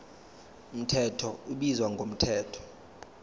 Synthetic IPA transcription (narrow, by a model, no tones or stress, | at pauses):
um̩tʰɛtʰɔuɓizwaŋɡʱom̩tʰɛːtʰɔ̥